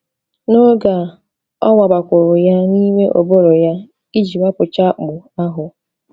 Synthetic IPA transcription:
no˦ɡa˨ | ɔ̰˦wa˨ba˨kʷʊ˨ɾʊ˨ja˦ni˦me˦ʔo̰˨bo˦ɾo˨ja˦ | i˦d͡ʒi˨wa˦pʊ˨t͡ʃa˦k͡pʊ˨a˦ɦʊ˨

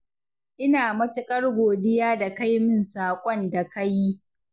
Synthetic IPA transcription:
ʔɪ˦naː˨mɐ˦tʊ˦kʼɐ˦rɡʷoː˨dɪ˦jaː˦da˨ka˦jmɪ˦nsaː˨kʷʼɔ˦nda˨kɐ˦ji˦

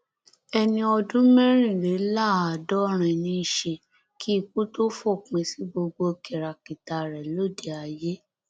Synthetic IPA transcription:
ɛ˧nĩ˧ɔ˧dũ˦mɛ̃˦ɾ̃ĩ˦˨ɾe˨˦la˦˨a˨dɔ˨˦ɾ̃ɛ̃˨nĩ˧˦i˨ʃe˧ | kʰi˦i˦˧˨k͡pu˦to˦fo˦˨k͡pẽ˧si˨˦bo˧ɡ͡bo˧ke˨ɾa˨ki˨ta˨ɾɛ˨lo˦˨de˨˦a˨je˦

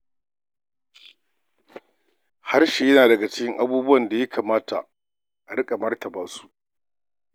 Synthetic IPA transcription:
ha˦rʃeː˨jɐ˦naː˨dɐ˨ɡa˨t͡ʃɪ̥˦kʲɪ˦ŋʔa˦buː˦bʊ˦wɐ˨nda˨jɐ˦kʰaː˨maː˦ta̰˨ʔ | ʔa˨ɽɪ˦kʼa˨mɐ˦rtɐ˨baː˦su̥˦ʔ

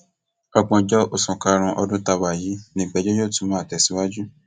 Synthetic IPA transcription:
ɔ˧k͡pɔ̃˧d͡ʒɔ˦ʔo˦˨sũ˨ka˧ɾ̃ũ˧ʔɔ˧dũ˦ta˧wa˨ji˨˦nĩ˦˨ɡ͡bɛ˨˦d͡ʒo˦jo˦˨tũ˨˧˦mãː˨˦a˨tɛ˨si˨˦wa˦d͡ʒu˦

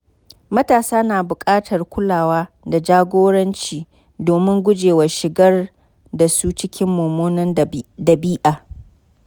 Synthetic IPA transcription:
mɐ˦taː˨saː˦naː˨bʊ˨kʼaː˦tʰɐ˨rkʷʊ˦laː˨waː˦ | da˨d͡ʒaː˦ɡʷoː˦ɽɐ˦nt͡ʃiː˨ | doː˨mɪ˦ŋɡʷʊ˦d͡ʒeː˨wɐ˨ʃɪ˨ɡɐ˦r | da˨su˦t͡ʃɪ˦kʲɪ˦mːoː˨moː˦nɐ˦ndɐ˨biː˦ʔaː˨

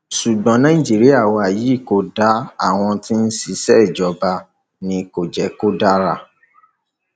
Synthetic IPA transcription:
ʃu˨ɡ͡bɔ̃˨˦nã˨˦ĩ˦˨d͡ʒi˨˦ɾi˦a˦˨wɔ˧a˨ji˨˦i˦˨ko˦da˨˦a˦˨w̃ɔ̃˧ti˦n̩˦si˧sɛ˦i˨d͡ʒɔ˨˦ba˧ | nĩ˧ko˨d͡ʒɛ˨ko˦da˦ɾa˦

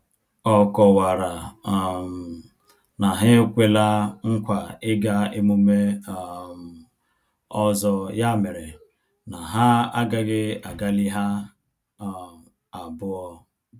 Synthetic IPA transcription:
ɔ˦kɔ˨wa˨ɾa˨ | na˨ɦɪ˦kʷe˦la˦ŋ̩˦kʷa˨ɪ˦ɡa˦e˦mu˦me˦˨m˨ | ɔ˦zɔ˦ja˦mɪ˨ɾe˨ | na˨ɦa˦a̰˦ɡa˦ɡɪ˦a˨ɡa˦li˦ɦa˦˨ | a˨bʊ˦ɔ˦

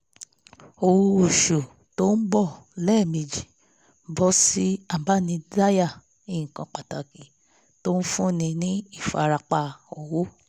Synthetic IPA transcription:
o˧wo˧o˨ʃo˨ | to˦n̩˦bɔ˦˨lɛ˦˨me˨d͡ʒi˨ | bɔ˦si˦a˦˨ba˦˨nĩ˧da˦ja˦˨ | ĩ˧˨kã˧k͡pa˨ta˨kĩ˨ | to˦n̩˦fũ˦nĩ˧nĩ˦i˦˨fa˨˧ɾa˧k͡pa˧˨ɔ˧˨wo˦

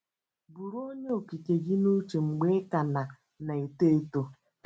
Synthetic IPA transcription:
bu˨ɾo˦ɲe˦o˨ki˨ke˨ɡi˦nu˦t͡ʃe˨ŋ͡m̩˨ɡ͡be˦ka˨na˨ | na˨e˨te˦e˦to˦

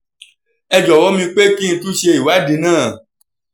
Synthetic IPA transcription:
ɛ˧d͡ʒɔ˨wɔ˦mĩ˧k͡pe˦kĩ˦n̩˧˦tu˦ʃe˧i˨wa˨˦di˧˦nãː˦˨

